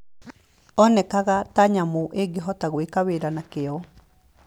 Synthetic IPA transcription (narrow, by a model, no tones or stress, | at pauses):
ɔnɛkaɣataɲamoʔeɡeɦɔtaɣwekaweɾanakeɔ